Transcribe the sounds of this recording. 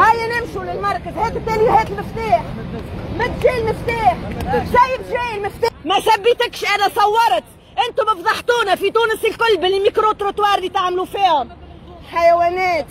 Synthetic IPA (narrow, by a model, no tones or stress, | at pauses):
hajːanɪmʃulɪlmɑɾˤkazheːt̪ɪt̪ːeːlɪheːt̪ɪlmɪft̪aːħmɪt̪ʒiːlmɪft̪aːħsajːɪbʒiːɪlmɪft̪aːmasabːiːt̪ɪkʃʔanasˤɑwːɑɾˤt̪ | ʔɪnt̪ʊbɑfd̪ˤɑħt̪uːnafit̪uːnɪsɪlkʊlbɪlːimikɾot̪ɾot̪wɑːɾˤlit̪aʕmlufiːhʊmħajaweːneːt̪